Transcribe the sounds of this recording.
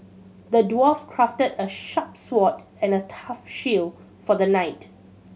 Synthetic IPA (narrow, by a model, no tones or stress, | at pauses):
dədwɔfkʰɹaftədəʃapswɔt | ɛ̃nətʰafʃil | fɔdənaɪt